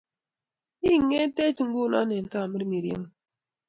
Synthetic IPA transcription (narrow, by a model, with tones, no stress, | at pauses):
i˦ŋe˦te˦t͡ʃi˨ŋ̩˦ɡu˦˨na̰˦nɛ˨n˨ta˦˨mi˦ɾmi˨ɾjḛ˦ŋ˨